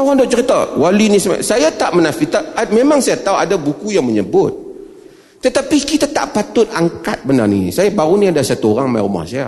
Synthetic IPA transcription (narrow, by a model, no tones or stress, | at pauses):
oɾaŋdoʔt͡ʃəɾit̪a̰walunisəma̰sajat̪aʔmənafit̪amemaŋsajat̪auadabukujaŋməɲəbʊt̪̚ː | ət̪apikit̪at̪a̰ʔpat̪ʊt̪̚aŋka̰t̪̚bənarnḭnḭsajabaɾuniadasat̪uoɾaŋmajɾuma̰hsaja̰